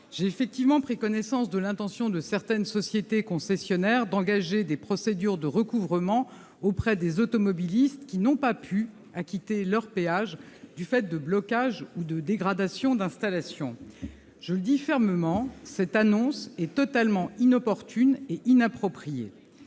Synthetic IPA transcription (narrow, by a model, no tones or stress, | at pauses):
ʒ̥eefɛk̚t̪ivmɑ̃pχikɔnɛsɑ̃sd̪əlɛ̃t̪ɑ̃sjɔ̃d̪əsɛʁt̪ɛnsɔsjet̪ekɔ̃sɛsjɔnɛʁd̪ɑ̃ɡaʒed̪epχɔsed̪yʁd̪əʁəkuvʁəmɑ̃ | opχɛd̪ezot̪ɔmɔbilist̪kʲinɔ̃papʰy | akʲit̪elœʁpeaʒd̪yfɛt̪̚d̪əblɔkaʒud̪əd̪eɡʁad̪asjɔ̃d̪ɛ̃st̪alasjɔ̃ | ʒ̥ələd̪ifɛʁməmɑ̃sɛt̪anɔ̃sɛt̪ɔt̪almɑ̃inɔpɔʁt̪yneʔinapχɔpχijḛ